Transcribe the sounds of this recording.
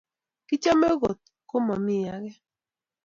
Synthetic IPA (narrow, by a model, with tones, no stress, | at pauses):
kɪ˦t͡ʃa˦mɛ˦ɣo˨t̪̚ko˦mɔ˨mɪ˦˨ja˨˦ɡɛ˦